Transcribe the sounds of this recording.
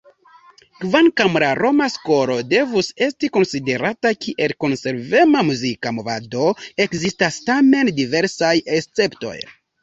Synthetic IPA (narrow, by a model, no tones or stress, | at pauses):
kvaŋkamɾaɾo̞masko̞ɾo̞de̞vuse̞stiko̞nside̞ɾatakʰiʔe̞lko̞nse̞ɾve̞mamuzikamo̞vado̞e̞kzistastame̞ndive̞ɾsajest͡se̞pto̞̰j